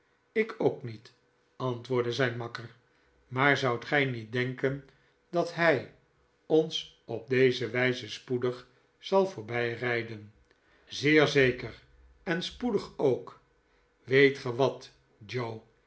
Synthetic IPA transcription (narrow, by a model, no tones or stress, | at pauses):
ɪkowknit | ɑntʋʊːɹdəzɛjnmɑkər | maːɹzɑwtχɛjnit̚dɛŋkən | dɑtɦɛj | ɔns | ɔb̚d̪ejzəʋɛjzəspudəχ | sɑlˠvʊːɹbɛjrɛjdən | zɪːɹzejkəɹ | ɛnspudəχowk | ʋejtχəʋɑt | d͡ʒow